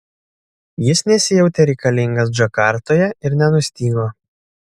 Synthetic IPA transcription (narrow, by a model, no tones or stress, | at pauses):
jɪsnʲɛsʲɪjɛʊt̪ʲɛɾʲɛɪkɐlʲɪŋɡɐs̬d͡ʒɐkɑˑɾt̪oːjɛɪɾnʲɛnʊsʲt̪ʲiːɡoː